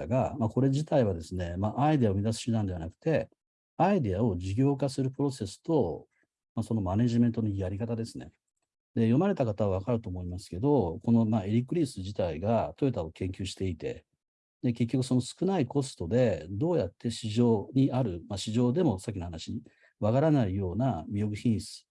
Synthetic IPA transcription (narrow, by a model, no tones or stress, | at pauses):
aɡamako̞ɾe̞ʑit̪aiβ̞ad̪e̞sɨne̞maʔaid̪e̞aomʲid̪asɨ̥ɕɨd̪ãnd̪e̞βa̰nakɯ̟̥t̪e̞ | aid̪e̞ao̞ʑiɡʲo̞ːkasɨɾɯ̟pɯ̟ɾo̞se̞sɨ̥t̪o̞ | maso̞no̞mane̞ʑimẽ̞nt̪onojaɾʲikat̪ad̪e̞sɨne̞̰ | d̪e̞jo̞maɾe̞t̪akat̪aβaβ̞akaɾɯ̟t̪o̞ːmo̞imasɨ̥ke̞d̪o̞ko̞no̞mae̞ɾʲikɯ̟ɾʲiːsɨʑit̪aiɡat̪o̞et̪aokẽ̞ŋkʲɨːɕi̥t̪e̞it̪e̞̰ | d̪e̞ke̞k̬ʲːo̞kɯ̟so̞no̞sɨ̥kɯ̟naiko̞sɨ̥t̪o̞d̪e̞d̪o̞ːjat̪ːe̞ɕiʑo̞ːɲ̟iʔaɾɯ̟maɕiʑo̞ːd̪e̞mo̞sakʲːinhanaɕiɲi | βakaɾanaijo̞ːnamʲijo̞kɯ̟çĩɰ̃sɨ̥